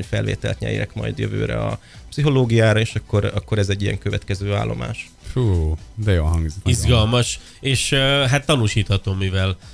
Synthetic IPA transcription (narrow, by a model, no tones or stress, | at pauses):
fɛlvḛːt̪ɛlt̪ɲɛ̰jɛ̰kmɒ̰jd̪jøvø̰ːɾɛ̰ɒ | psiɦo̞loːɡijaːɾɒeːʃɒkːo̞ɾɒkːo̞ɾɛzɛɟːijɛ̰ŋkøvɛt̪kɛzøːa̰ːlːo̞̰ma̰ːʃ | fuːd̪ɛjoːlɦɒŋɡzot̪izɡɒlmɒʃ | eːʃɦat̪ːɒnuʃiːt̪hɒt̪oːmːivɛl